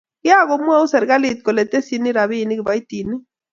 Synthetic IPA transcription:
ja˦˨ɣɔ˨mu˦ɛ˦u˦sɛ˨ɾɣa˦li˨t̪̚kɔ˨lɛ˨t̪ɛ˦si˦ni˦ɾa˨βi˦˨ni˦ɡi˨βa˨i˦t̪i˨ni˦

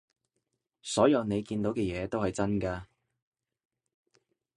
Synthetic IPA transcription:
sɔː˨˥jɐ˨˧wne˨˧jkiː˧nt̪o˨˥wkɛː˧jɛː˨˧t̪o˥whɐ˨jt͡sɐ˥nkaː˧

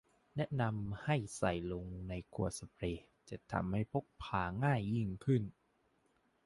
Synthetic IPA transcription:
nɛ˦˥ʔna˧mha˥˩jsa˨˩jlo˧ŋna˧jkʰu˨˩ət̪̚sa˧pʰɾeː˧˩ | t͡ɕa˨˩t̪ʰa̰˧mha˥˩jpʰo˦˥k̚pʰaː˧ŋaː˥˩jːi˥˩ŋkʰɯ˥˩n

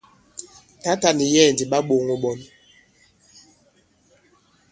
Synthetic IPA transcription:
ta˦ta˨ni˨jɛː˦˨ndi˨ɓa˦ɓo˨ŋo˨ɓɔ˨n

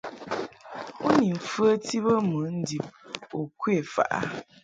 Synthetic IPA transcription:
u˦ni˨m̩˨fə˦ti˦bə˦mə˨˦n̩˦di˨p̚o˨kwe˦˨fa̰˨ʔa̰˦

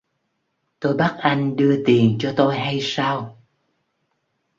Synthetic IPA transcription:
t̪o˧jɓa˦˥t̚ʔa˧jŋ̟ɗɨ˧ət̪i˨˩ənt͡ɕɔ˧t̪o˧jɦa˧jsaː˧w

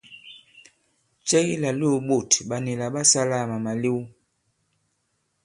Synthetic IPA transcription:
t͡ʃɛ˦la˨lo˦˨ɓo˨tɓa˨ni˨la˨ɓa˦sa˦la˦˨ma˨ma˨li˦wu˦

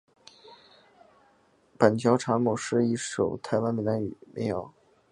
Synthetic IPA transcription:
pə˨˩nt̪ʰjɑ˧˥ʊʈ͡ʂʰa˧˥mu˨˩ʂɻ̩˥˧i˥˩ʂo˨˩ʊt̪ʰa˧˥ɪwa˥nmi˨˩na˧˥y̰˨˩mḛ˧˥jɑ˨˩˦ʊ

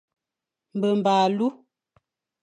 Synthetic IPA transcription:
m̩˨bə˨m̩˨baː˨lu˦

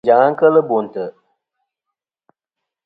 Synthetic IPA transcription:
d͡ʒa˨ŋa˦ŋ˦kə˦lɨ˦bo˨n˨tɨ˨

